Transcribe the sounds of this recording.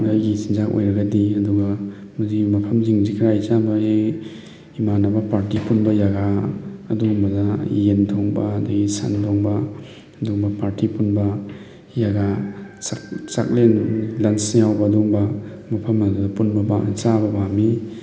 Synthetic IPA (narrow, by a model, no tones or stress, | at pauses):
ajɡisinzako̰jɾɐɡadiɐduɡɐ | muzimɐpʰɐmziŋzikʰɾajzabaɡi | manabɐpaɾtipunbɐjaɡa̰ːduŋbɐdajendʰɔŋbadaɡisa̰ndʱɔŋbaː | duŋbɐpaɾtipunbɐ | jaɡasat͡ʃa̰k̚lenlansiawbɐːduŋbɐmɐpʰɐmadadapunbɐba̰t͡ʃabɐbami